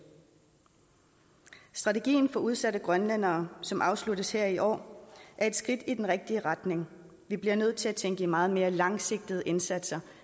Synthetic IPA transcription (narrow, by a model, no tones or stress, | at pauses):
sd̥ʁɑ̈t͡sʰe̝ɡ̥ḭːn̩fɒ̽uð̞ˠsæɾəɡ̥ʁɶnlæn̰ɐːsɒ̽mʔɑ̈ʊslud̥əsheɐ̰iʔɒ̰ːʔæɐe̝d̥sɡ̥ʁid̥id̥enʁɛɡ̥̚d̥iəʁɑd̥ne̝ŋ | ʋib̥liɐnøð̞̰ˠt͡sʰe̝læt͡sʰeŋɡ̥əimɑ̈ːð̩ˠme̝ːɐlɑ̈ŋse̝ɡ̥̚d̥iðˠəʔe̝nsæd̥sɐ